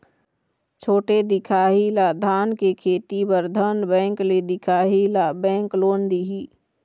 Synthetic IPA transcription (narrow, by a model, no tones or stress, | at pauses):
t͡ʃʰoːʈed̪ɪkʰaːɦilad̪ʱaːnkekʰeːt̪ibəɾd̪ʱənbɛ̃ːŋkled̪ɪkʰaːɦilabɛ̃ːŋkloːnd̪iɦiː